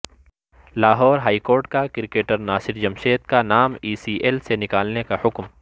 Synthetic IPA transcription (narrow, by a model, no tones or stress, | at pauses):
laːɦɔːɾɦaːikoːɾʈkakɪɾɪkeːʈəɾnaːsɪɾd͡ʒɐmʃeːd̪̚kanaːmiːsiːʔelsenɪkaːlnekahʊkm